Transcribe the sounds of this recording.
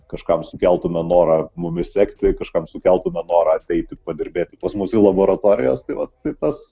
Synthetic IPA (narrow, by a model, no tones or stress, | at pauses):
kɐʃkɐmsʊkʲɛlˠt̪ʊmʲɛnoːɾɐmʊmʲɪsʲækt̪ʲɪkɐʃkɐmsʊkʲɛlˠt̪ʊmʲɛnoːɾɐɐt̪ʲɛɪt̪ʲɪpɐd̪ʲɪɾʲbʲeːt̪ʲɪpɐsmuːsʲilˠɐboːɾɐt̪oːɾʲɪjoːst̪ɐɪʋɐtːɐɪt̪ɐs